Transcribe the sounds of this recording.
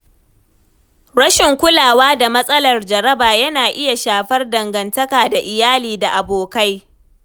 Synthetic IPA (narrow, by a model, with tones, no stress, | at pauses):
ɽɐ˦ʃɪ˨ŋkʷʊ˦laː˨waː˦da˨mɐ˦sʼɐ˦lɐ˨rd͡ʒɐ˨ɾɐ˦baː˨jɐ˦naː˨ʔɪ˦ja˨ʃaː˨ɸɐ˦rdɐ˨ŋɡɐ˨ntɐ˦kaː˨da˨ʔɪ˨jaː˦liː˨da˨ʔa˨boː˨ka˦j